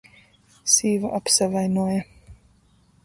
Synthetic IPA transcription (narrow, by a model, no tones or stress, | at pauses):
siːvaʔapsavajnuɔja